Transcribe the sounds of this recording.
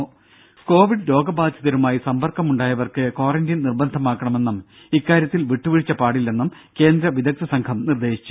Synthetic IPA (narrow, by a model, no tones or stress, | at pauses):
ko̞ːʋiɖlo̞ːɡɐbaːd̪ʱjɐðɐɾumaːjisɐmbɐrkɐmuɳɖaːjɐʋɐrkɨko̞ːrɐndinnirbɐnd̪ʱɐmaːkːɐɳɐme̞nːum | ikːaːɾjɐt̪ːilʋiʈːuʋiɻit͡ɕːɐpaːɽilːenːum | ke̞ːnd̪ɾɐʋid̪ɐk̚t̪ʰɐsɐŋkʰɐmnird̪e̞ːɕi̥t͡ɕːu